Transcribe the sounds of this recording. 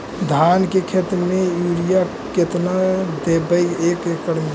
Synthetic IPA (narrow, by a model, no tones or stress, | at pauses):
d̪ʱankekʰet̪ɾmejuɾija | ket̪nad̪ebəjekekəɽm